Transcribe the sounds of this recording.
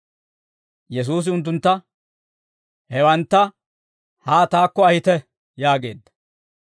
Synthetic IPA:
jɛs̬uːs̬ɪʊnt̪̬ːʊnt̪ːɐ | hɛwɐnt̪ːɐ | haːt̪aːkːɔɐhɪt̪ɛ | jaːɡe̞̰ːd̪ːɐ̥

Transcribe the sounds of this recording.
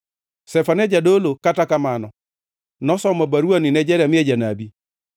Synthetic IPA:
sɛfanɛd͡ʒadolokatakamanɔ | nɔsɔmabaɾuanɪnɛd͡ʒɛɾamɪɛd͡ʒanabi

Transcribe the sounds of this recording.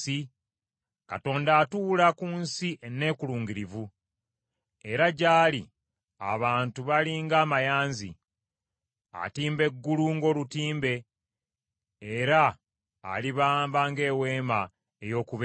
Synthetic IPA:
i | kato̞ːndaːtuːlakunsiʔenːe̞ːkuluːŋɡiɾivu | eɾaɟaːli | a̰βaːntuβaliŋɡaːmajaːnzḭ | a̰tiːmbe̞ɡːuluŋɡo̞ːlutiːmbe̞ | ɾa̰ː | liβaːmbaŋɡe̞ːwe̞ːma | ejo̞ːkuβe

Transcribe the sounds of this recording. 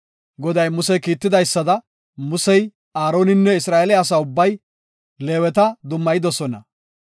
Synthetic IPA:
ɡɔd̪ɐjmʊsɛjkiːt̪ːɪd̪ɐjsːɐd̪ɐ | mʊsɛj | aːɾo̞ːnɪnːɛɪsɾaːelɪːs̬aʊbːɐj | le̞ːwɛt̪ɐd̪ʊmːɐjɪd̪ɔsɔnɐ̰

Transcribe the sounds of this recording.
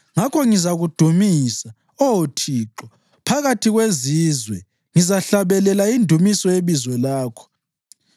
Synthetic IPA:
ŋakʰɔŋizaɣud̥ʱumisa | ɔwotʰiːǁɔ | pʰaɣatʰiɣweziːzwɛ | ŋizaɬaβɛlɛlaindʱumisɔeβizwɛlaːkʰɔ̥

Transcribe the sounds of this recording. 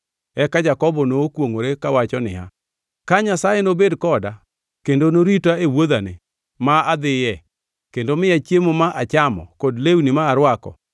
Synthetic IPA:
ɛkad͡ʒakɔbɔnoːkwoŋoɾekawat͡ʃɔnɪa̰ | kaɲasajenobedkɔda | kendonoɾitaewoðanɪ | maad̪ɪjɛ | kendomɪjat͡ʃjemomaʔat͡ʃamɔ̰kɔdlewunɪmaːɾwakɔ̰

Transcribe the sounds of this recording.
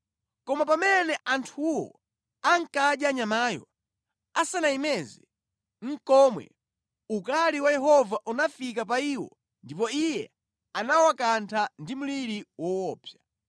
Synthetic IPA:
kɔmapamɛnɛʔantʰuwɔ̰ | aŋ̩kaɗjaɲamaːjɔ̰ | asanaimɛzi | ŋ̩kɔmwɛ̰ | ukaliwajɛɦɔvaʔunafikap̬aiwɔ̰ | ndipɔijɛ | anawakantʰandimuliɾiwɔwɔːpʰja

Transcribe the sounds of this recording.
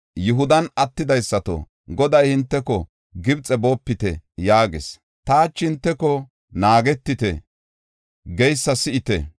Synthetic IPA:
jʊɦʊd̪ɐnɐt̪ːɪd̪ɐjsːɐt̪o̰ | ɡɔd̪ɐjhɪnt̪ːɛkɔ | ɡɪbt͡sʼɛboːpːɪt̪ɛ̰jaːɡɪ̰s | t̪aːt͡ʃːhɪnt̪ːɛkɔ | naːɡɛt̪ːɪt̪ɛ | ɡɛjsːɐsɪʔɪt̪ɛ

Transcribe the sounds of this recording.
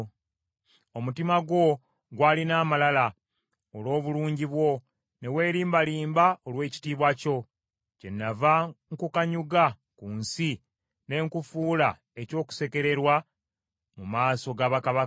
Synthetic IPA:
omutimaɡwo̞ | ɡwaːlinaːmalala | olwo̞ːβuluːɲɟiβwo̞ | ne̞we̞ːɾiːmbaliːmbaolwe̞ːci̥tiːβwaco̞ | ce̞nːavaŋkukaɲuɡa | kuːnsi | ne̞ŋkufuːla | e̞co̞ːku̥se̞ke̞ɾe̞ɾwa | mumaːso̞ɡaːβakaβa

